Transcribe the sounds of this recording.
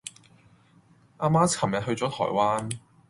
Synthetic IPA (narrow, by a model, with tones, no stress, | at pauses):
ʔaː˧maː˥t͡sʰɐ˨˩mjɐ˨t̚hɵ˧ɥt͡sɔː˨˥t̪ʰɔ̰ː˨˩jwaː˥n